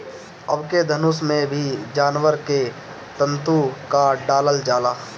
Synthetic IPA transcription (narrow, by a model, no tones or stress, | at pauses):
əbked̪ʱənʊsmẽbʱid͡ʒaːnwəɾke | t̪ə̃nt̪ukaɖaːləld͡ʒaːlaː